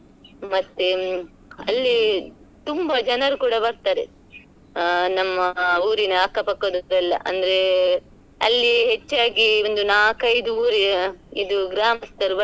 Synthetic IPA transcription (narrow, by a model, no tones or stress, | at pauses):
mɐt̪ːe | ɐlːi | t̪umbɐd͡ʒɐnɐɾukuːɽɐbɐɾt̪aːɾe | nɐmːɐuːɾinɐɐkːɐpɐkːod̪oɾɐlːɐ̰ʔɐ̰nd̪ɐɾe̞ | ɐ̰lːiɦet͡ʃːaːɡiond̪unaːkɐjid̪uuːɾiid̪uɡɾaːmɐst̪ɐɾbɐ